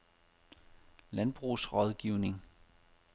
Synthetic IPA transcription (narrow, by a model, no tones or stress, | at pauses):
lænb̥ʁusʁɒðˠɡ̥iʊne̝ŋ